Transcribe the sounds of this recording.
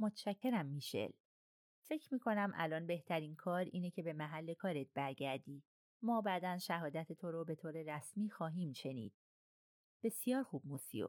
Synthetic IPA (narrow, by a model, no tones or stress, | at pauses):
mot̪ʰʃæcʰːe̞ɾæmːiːʃe̞̰l | fe̞cʰɾmiːkʰo̞næmʔæ̰lɒːnbe̞ht̪ʰæɾiːnkʰɒːɾḭːnecʰe̞be̞mæɦælːe̞kʰɒːɾet̪̚bæɾɟæɾd̪iː | mɒːbæːd̪ænʃæɦɒːd̪æt̪ʰet̪ʰoɾobe̞t̪ʰoːɾe̞ɾæsmiːxɒːɦiːmʃe̞nḭːd̪̥̚ | b̥e̞sijɒːɾxuːb̚musḭo̰